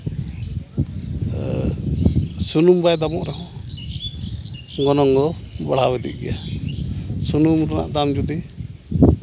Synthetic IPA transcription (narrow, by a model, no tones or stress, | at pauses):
sunumbajd̪amɔʔɾɛhɔ̃ | ɡɔnɔŋɡɔbɔɽ̤awɛd̪ḭʔ̚ɡɛ̰ja | sunumɾana̰ʔd̪amd͡ʒud̪i